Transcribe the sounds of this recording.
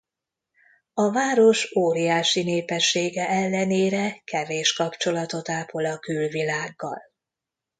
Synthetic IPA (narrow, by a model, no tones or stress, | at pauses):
ɒvaːɾo̞ʃoːɾijaːʃineːpɛʃːeːɡɛʔɛlːɛneːɾɛkɛveːʃkɒpt͡ʃo̞lɒt̪o̞t̪aːpo̞lɒkylvilaːɡːɒ̰l